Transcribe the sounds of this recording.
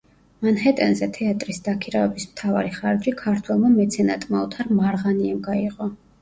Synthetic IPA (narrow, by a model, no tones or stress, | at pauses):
manhɛt̪ʼɛnzɛt̪ʰɛat̪ʼɾisd̪akʰiɾavɛbismt̪ʰava̰ɾiχaɾd̪d͡ʒɾikʰaɾt̪ʰwɛlˠmamɛt̪sʰɛnat̪ʼmaɔt̪ʰaɾmaɾʁaniɛmɡaiqʼɔ